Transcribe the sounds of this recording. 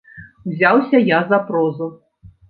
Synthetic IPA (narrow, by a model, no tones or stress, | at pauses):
wzʲawsʲɐjazapɾɔzu